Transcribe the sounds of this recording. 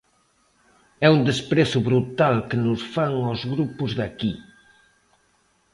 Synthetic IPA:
ɛund̪espɾesʊβɾut̪alkɪnʊsfaŋɔzɣɾupʊzðaki

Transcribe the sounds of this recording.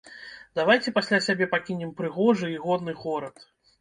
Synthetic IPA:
d̪̥avajt͡sʲɛpasʲlʲasʲabʲɛpakʲinʲɛmpɾɨɣɔʐɨiɣɔd̪nɨɣɔɾɐt̪

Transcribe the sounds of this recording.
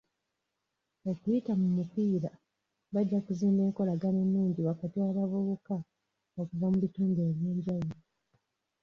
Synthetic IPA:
o̞kujitamumupiːɾa | βaɟːakuziːmbe̞ːŋko̞laɡane̞nːuːɲɟiβakatialavuβuka | okuvamuβituːmdeβje̞ːɲɟaj

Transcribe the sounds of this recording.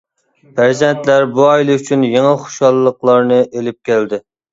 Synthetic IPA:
pæɾzɛnt̪læɾbuɑjlˠɨyt͡ʃʰynjeŋɨχo̥ʃɑlˠːəqlˠɑɾnɨʔelɪp̚kʲæld̪ɪ

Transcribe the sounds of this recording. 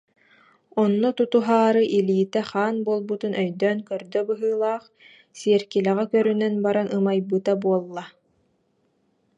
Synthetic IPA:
ɔnːɔt̪ut̪uɦaːɾɯʔiliːt̪ɛχaːnbuɔlˠbut̪unʔœjd̪œːnkœɾd̪œbɯɦɯːlˠaːχ | siɛɾkilɛʁɛkœɾynɛnbaɾanɯmajbɯt̪abuɔlˠːa

